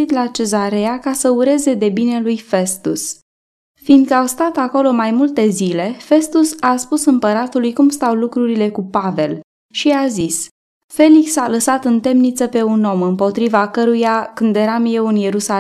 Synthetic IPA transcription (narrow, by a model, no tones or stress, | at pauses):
it̪lat͡ʃe̞zaɾe̞akasəuɾe̞ze̞d̪e̞bine̞lujfe̞st̪ṵs | find̪̚kəawst̪at̪ako̞lo̞majmult̪e̞zile̞fe̞st̪usaspusɨmpəɾat̪ulujkumst̪awlukɾuɾile̞kupave̞l | ʃiazis | fe̞liksaləsat̪ɨnt̪e̞mnit̪səpe̞uno̞mɨmpo̞t̪ɾivakəɾujakɨnd̪e̞ɾamje̞wɨnje̞ɾusa